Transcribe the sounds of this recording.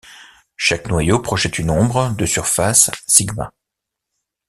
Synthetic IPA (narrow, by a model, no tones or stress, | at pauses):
ʃaknwajopχɔʒɛt̪ʰynɔ̃bʁəd̪əsyʁfasːiɡmã̰